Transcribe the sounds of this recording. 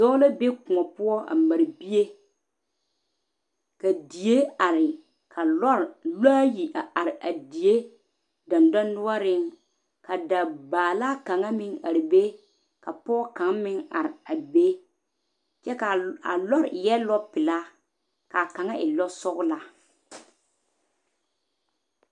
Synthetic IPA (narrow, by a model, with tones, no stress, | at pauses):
d̥ɔ˦la˦be˦kʊ˨ŋɔ˨pʊ˦ɔ˦ʔa̰˨ma˨ɾbi˦e˦ | ka˨di˨je˦a˨ɾɪ˨ | kʰa˨lɔ˦ɾlaː˦ji˨ʔa˨a˨ɾɪ˨ʔa˨di˨e˦ | dɔ˨ndɔ˦nʊ˦a˦ɾɪ˦ŋ | ka˨da˨baː˨la˦ka˨ŋa˦mɪ˦ŋa˨ɾɪ˨be˦ | ka˨pɔː˦ka˨˦ŋmɪ˦ŋa˨ɾɪ˨a˨be˦ | t͡ʃɛ˦ka˨a˨lɔ˦ɾjɛ˦lɔ˦pɪ˨la˦ | ka˨ka˨ŋa˦ʔɪ˨lɔ˦sɔ˦ɣʊ˦la˨